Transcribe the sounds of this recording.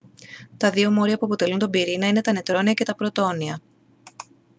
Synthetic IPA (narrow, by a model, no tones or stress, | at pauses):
t̪ɐðio̞mo̞ɾiɐpuɐpo̞t̪e̞lunt̪ombiɾinɐine̞t̪ɐne̞t̪ɾo̞niɐce̞t̪ɐpɾo̞t̪oniɐ